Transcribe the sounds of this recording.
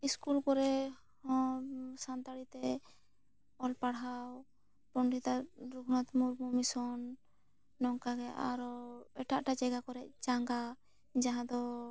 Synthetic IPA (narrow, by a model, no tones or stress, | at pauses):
iskulkɔɾɛ | hɔ̃sant̪aɽit̪ɛ | ɔlpaɽɦaw | pɔɳɖit̪aɾuɡʰʱnat̪muɾmumisɔnː | ɔŋkaɡɛʔaɾɔɛʈaʔʈat͡ʃɛɡakɔɾɛc̚t͡ʃaŋɡa | d͡ʒaɦãd̪ɔ